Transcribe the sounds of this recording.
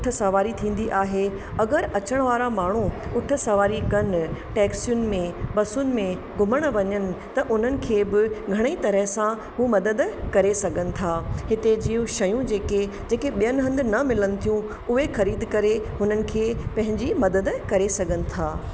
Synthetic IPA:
ʊʈʰə̆sɐʋaːɾit̪ʰĩːn̆d̪iʔaːɦe | ɐɡəɾɐt͡ɕəɽ̃ʋaːɾamaːɳ̤uʊʈʰə̆sɐʋaːɾikɐnʈɛːksijʊnɪ̆mẽbɐsʊnɪ̆mẽ | ɡʱʊməɽ̃ʋɐɲənɪ̆t̪ɐʔʊn̤ənɪ̆kʰeːbɪɡʱɐɽ̃eit̪ɐɾəɦsã | ɦumɐd̪əd̪kɐɾesɐɡʱənɪ̆t̪ʰaːhɪt̪ed͡ʑiːjũʃɐjũd͡ʑeːke | d͡ʑeːkeɓijənɪɦɐ̃nd̪ɪnɐmɪlənɪ̆t̪ʰijũ | ʊɦexɐɾiːd̪kɐɾeɦʊnənɪ̆kʰeːpɐ̃ɦɪ̃ɲd͡ʑimɐd̪əd̪kɐɾesɐɡʱənɪ̆t̪ʰaː

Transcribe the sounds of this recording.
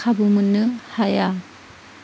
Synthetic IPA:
kʰabumɯnːɯhaja

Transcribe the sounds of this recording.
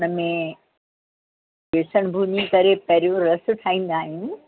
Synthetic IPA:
nəmẽ | ʋeːsəɽ̃bʱunikɐɾepɐɦɪɾijõɾɐsʊ̆ʈʰaːĩːn̆d̪aːɦɪnɪ̆

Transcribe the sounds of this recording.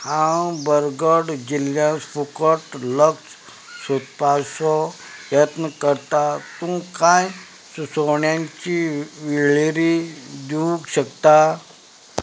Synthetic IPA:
hãwbəɾɡəɽd͡ʑiljãspukəʈləks | sut̪̚pasɔ | jət̪nəkəɾt̪at̪ũkaj | susoɳjãɲt͡ɕiʋiɭiɾid̪uũkɕəkt̪a

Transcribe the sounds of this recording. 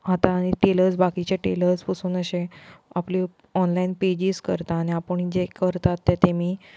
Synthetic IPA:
ɦat̪aːɽ̃iʈeləɾt͡sbakit͡ɕeʈeləɾspəsuːnəɕeapli | ɔnlainped͡ʑiskə̰ɾt̪aːñiapəɳid͡zekəɾt̪at̪ːɛt̪emiː

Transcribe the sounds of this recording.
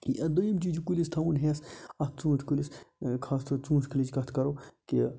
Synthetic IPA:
iɐd̪ojimt͡ʃid͡ʒkulist̪ʰɐunɦeːsɐt̪̚ʰt͡sũːt̪ʰkuliskʰaːst̪ʰot͡sũːskʰilid͡ʒkɐt̪ʰkɐɾoːki

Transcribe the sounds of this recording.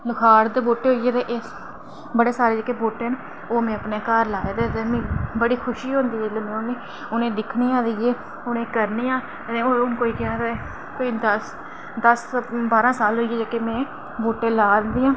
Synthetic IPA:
lʊkʰaːɾd̪eboːʈeːɦoːieːt̪ẽːʔeːs | bəɽeːsaːɾeːd͡ʒeːkeːboːʈeːn | oːmɛ̃ːəpneːkaːɾlaːed̪eːt̪eːmẽːbəɽiːkʰʊʃiːɦõːnd̪iːeləmẽːʊneː | ʊnẽːd̪ɪkʰniːãːd̪iːeː | ʊnẽːkəɾniːãː | t̪ẽːoːʊnkoːiːkaːɾaːɛ | koːiːd̪əs | d̪əsbaːɾãːsaːlɦoːieːd͡ʒaːkeːmɛ̃ː | boːʈẽːlaːnd̪iːãː

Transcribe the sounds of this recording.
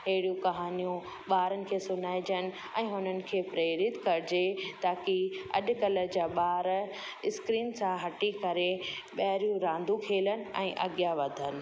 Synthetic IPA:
ɦɐɦɪɽjũkɐɦaːnijũ | ɓaːɾənɪ̆kʰeːsʊnaːɪd͡ʑənɪ̆ | ɛ̃ːɦʊnənɪ̆kʰeːpɾeːɾɪt̪kɐɾɪd͡ʑet̪aːkiɐ̰ʄʊ̆kɐləd͡ʑaːɓaːɾ | ɪskɾiːnsãɦɐʈikɐɾe | ɓɐɦɾjũɾãːnd̪ʱukʰeːlənɪ̆ɛ̰̃ːʔɐ̰ɡijaʋɐd̪ʱənɪ̆

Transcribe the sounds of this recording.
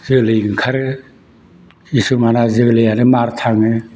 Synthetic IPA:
zɯɡlɯjɡɯkʰaɾɯ | isumanazɯɡlɯjanɯmaɾtʰaŋɯ

